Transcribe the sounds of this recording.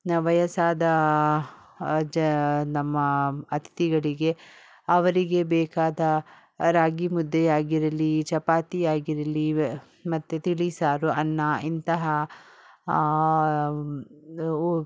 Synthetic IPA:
ʋɐjɐsaːd̪ɐ | d͡ʒnɐmːɐɐt̪ʰi̥t̪iɡɐɭiɡe̞ | ɐʋɐɾiɡe̞bɛːkaːd̪ɐ | ɾaːɡimud̪ːɛjaːɡiɾɐlit͡ʃɐpaːt̪ijaːɡiɾɐli | mɐt̪ːut̪iɭisaːɾuɐnːaint̪ɐɦɐ

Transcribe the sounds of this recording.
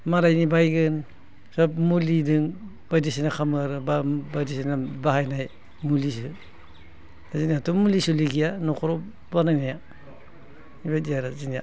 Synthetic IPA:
maɾajnibajɡɯn | sɔp̚mulidɯŋ | b̥ajdisinakʰamɯɾɯbabajdisinabaɦajnaj | mulis̬ɯ | azinijatumulisuliɡijanɔkʰɔɾɔ | banajnaja | ibajdijaɾazinija̰

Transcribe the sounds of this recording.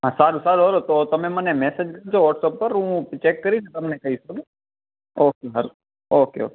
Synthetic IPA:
asaːɾusaːɾɦoɾot̪oːt̪ɐmẽmənemɛːsed͡ʒkɐɾt͡ʃʰoʋəʈsəpːəɾɦũt͡ʃeːkːəɾit͡ʃʰẽt̪ɐmnekɐɦisɐdu | oːkeɦɐɾ | oːkeo̰ːke

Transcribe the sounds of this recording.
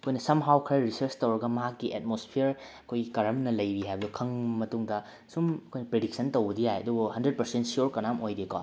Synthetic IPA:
ɐkʰojnɐsɐmɦawkʰɾɐɾisɐɾt͡ʃtɐwɾɐɡɐmɐɦakːiʔet̚mospʰiɾɐkʰojɡikɐɾɐmnɐlɐjbiɦajbɐdukʰɐŋmɐtuŋdɐ | sumɐkʰojnɐpɾedik̚sɐntowbɐdijajɐ̰dubuhɐndɾet̚pɐɾsentsioɾkɐnamojdekɔ

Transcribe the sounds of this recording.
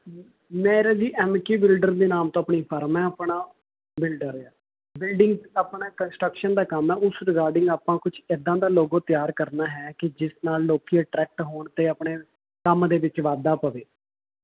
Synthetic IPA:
mɛ̃ːɾaːd͡ʒiːʔɛːmkiːbɪlɖəɾd̪eːnaːmt̪õːəpɳiːpʰəɾmɛ̃ːəpɳaː | bɪlɖəɾɛː | bɪlɖɪŋɡaːpɳaːkənsʈɾəkʃənd̪aːkəmɛːʊsɾɪkaːɾɖɪŋɡaːpãːkʊt͡ʃʰed̪ãːd̪aːloːɡõːt̪ɪjaːɾkəɾnaːɦɛːkɪd͡ʒɪsnaːlːoːkiːəʈɾɛːk̚ʈɦoːɳt̪eːəpɳeː | kəmd̪eːʋɪt͡ʃʋaːd̪aːpəʋeː

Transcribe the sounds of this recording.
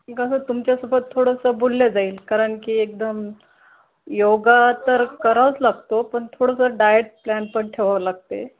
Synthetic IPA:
ikasət̪umt͡ɕjasubət̪ʰːoɽəsəbolːed͡zaiːlkaɾəɳkiːek̚d̪əm | joɡat̪əɾkəɾaʋət͡slaɡt̪opəɳt̪ʰoɽəsəɖajeʈ̚planpəɳʈʰeʋaʋəlaɡ̚t̪ḛ

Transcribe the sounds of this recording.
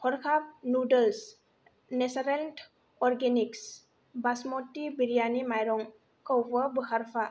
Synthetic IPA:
hʰɔɾkʰap̚nudəls | nesaɾent | ɔɾɡeniks | basmɔtːibiɾijanimajɾɔŋ | kəwbəbɯhaɾpʰa

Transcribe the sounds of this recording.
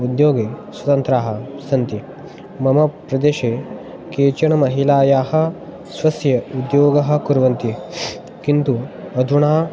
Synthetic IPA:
ud̪joːɡeːswɐt̪ɐnt̪ɾaːɦɐ̆sɐnt̪i | mɐmɐpɾɐd̪eːʃeː | keːt͡ʃɐɳɐmɐɦilaːjaːhɐ̆ | sʋɐsjɐud̪joːɡɐɦɐ̆kuɾʋɐnt̪i | kint̪uɐd̪ʱuɳaː

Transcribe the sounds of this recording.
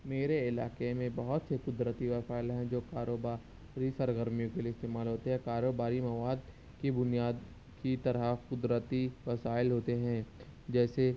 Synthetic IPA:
meːɾeɪlaːkemẽbɐɦʊt̪sekʊd̪ɾət̪iʋɐsaːɪlɦɛ̃d͡ʒoːkaːɾoːbaː | ɾisɐɾɡəɾmijõkeliːɪst̪eːmaːlɦoːt̪eɦɛ̃kaːɾoːbaːɾimɐwaːd̪̚ | kibʊnijaːd̪ | kit̪ɐɾəkʊd̪ɾət̪iʋɐsaːɪlɦoːt̪eɦɛ̃d͡ʒɛːse

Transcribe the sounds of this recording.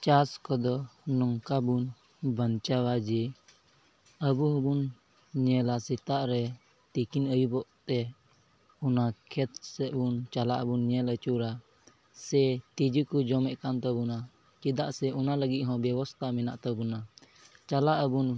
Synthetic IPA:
t͡ʃaskɔd̪ɔnɔŋkabun | bənt͡ʃawad͡ʒɛ | əbuɦɔ̃bun | ɲɛlasit̪aʔɾɛ | t̪ikinəjubɔʔt̪ɛ | unakʰɛt̪sɛbunt͡ʃalaʔəbunɲɛlət͡ʃuɾa | sɛt̪id͡ʒəkud͡ʒɔmɛʔkant̪əbuna | t͡ʃid̪aʔsɛunaləɡit̪̚ɦɔ̃bɛbɔst̪ʰamina̰ʔt̪əbuna | t͡ʃalaʔəbun

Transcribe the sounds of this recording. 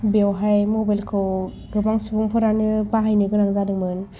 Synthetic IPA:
bewɦajmobajlkʰɯw | bɯbaŋsubuŋpʰɯɾanɯbaɦajnɯɡɯnaŋzadɯŋmɯn

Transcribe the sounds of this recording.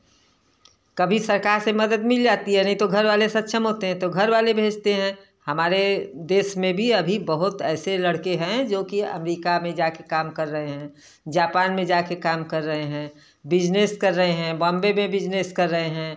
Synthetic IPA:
kɐbʱisɐɾkaːɾsemɐd̪əd̪mɪld͡ʒaːt̪iɦɛnɐɦĩt̪oɡʱɐɾʋaːlesɐt̪ːʃʰəmɦot̪eɦɛ̃t̪oɡʱɐɾʋaːlebʱeːd͡ʒt̪eɦɛ̃ | hɐmaːɾed̪eːʃmẽbʱiɐbʱibəɦʊt̪ɛːselɐɽkeɦɛ̃d͡ʒoːkiɐ̰mɾiːkamẽd͡ʒaːkekaːmkɐɾːəɦeɦɛ̃ | d͡ʒaːpaːnmẽd͡ʒaːkekaːmkɐɾːəɦeɦɛ̃ː | bɪd͡ʒneːskɐɾːəɦeɦɛ̃bɔ̃ːmbemẽbɪd͡ʒneːskɐɾːəɦeɦɛ̃ː

